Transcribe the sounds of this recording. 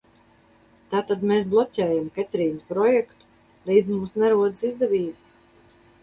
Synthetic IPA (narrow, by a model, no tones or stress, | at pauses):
t̪aːt̪ad̪meːs̬blˠɔcʲɛːjamkɛt̪ɾiːnəspɾɔjɛkt̪u̥ | ɾiːd̪zmuːsnɛɾuɔd̪sizd̪ɛviːbi